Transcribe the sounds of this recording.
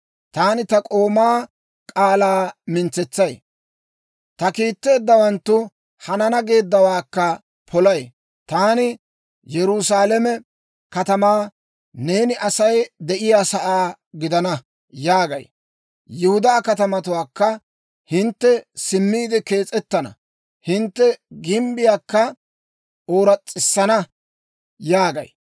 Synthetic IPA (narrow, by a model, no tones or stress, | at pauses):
t̪aːnɪt̪ɐkʼo̞ːmaː | kʼaːlaːmɪnt͡sːɛt͡sːɐj | t̪ɐkiːt̪ːe̞ːd̪ːɐwɐnt̪ːʊ | hɐnɐnɐɡe̞ːd̪ːɐwaːkːɐ | pʰɔlɐj | t̪aːnɪ | jɛɾʊsaːlɛmɛ | kɐt̪ɐmaː | ne̞ːnɪʔɐsɐjd̪ɛʔɪjaːsɐʔaː | ɡɪd̪ɐnɐ | jaːɡɐ̰j | jɪhʊd̪aːkɐt̪ɐmɐt̪ʊwaːkːɐ | hɪnt̪ːɛsɪmːiːd̪ɛke̞ːt͡sʼɛt̪ːɐnɐ̰ | hɪnt̪ːɛɡɪmbɪjaːkːɐ | ʔoːɾɐt͡sʼːɪsːɐnɐ | jaːɡɐ̰j